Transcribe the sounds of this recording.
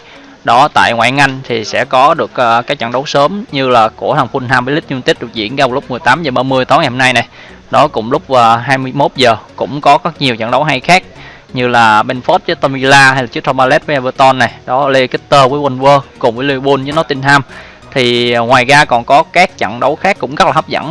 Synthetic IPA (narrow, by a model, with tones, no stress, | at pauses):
ɗɔ˨˦t̪a̰ː˧˨jŋwa̰ː˧˨jŋa˧jŋ̟t̪ʰi˨˩sɛ̰˧˥kɔ˨˦ɗɨ˨˩ək̚ʔkaː˦˥k̚t͡ɕa̰˧˨ŋɗə˨˦wsəː˨˦mɲɨ˧laː˨˩ku˧˩ət̪ʰaː˨˩ŋfu˧nt̪aː˧mvəː˨˦li˦˥k̟̚ɲ˧nt̪i˦˥t̚ɗk̚zḭ˧˩ənɣaː˧˩wlʊ˦˥k͡p̚mɨ˨˩əjt̪aː˨˦mzəː˨˩ɓaː˧mɨ˧əjt̪ɔ˨˦nŋa˨˩ho˧na˧jna˨˩j | ɗɔ˨˦kʊ̰˧˩ŋ͡mlʊ˦˥k͡p̚vaː˨˩ɦaː˧jmɨ˧əjmo˦˥t̚zəː˨˩kʊ̰˧˥ŋ͡mkɔ˨˦kɔ˦˥k̚ɲi˨˩əwt͡ɕə̰˧˨ŋɗə˨˦wɦa˧jxaː˦˥k̚ | ɲɨ˧laː˨˩ɓe˧nfɔ˦˥t̚t͡ɕɨ˨˦˥t̪a˧mi˧laː˧ɦa˧jlaː˨˩t͡ɕɨ˦˥t̪ʰɔ˧maː˧lɛ˦˥t̚vːjʔvə˧t̪ɔ˧nːa˨˩jɗɔ˨˦le˧ki˦˨˦t̪əː˧vəː˨˦jwa˧nvəː˧kʊ˨˩ŋ͡mvəː˨˦li˧ɓu˧nzɨː˨˦nɔ˨˦t̪i˧nh̪aː˧m | t̪ʰi˨˩ŋwaː˨˩jɣaː˧kɔ˨˩nkɔ˨˦kaː˦˥k̚t͡ɕə̰˧˨ŋɗə˨˦wxaː˦˥kːʊ̰˧˥ŋ͡mɣə˦˥k̚la˨˩hə˦˥p̚zə̰˧˩˨n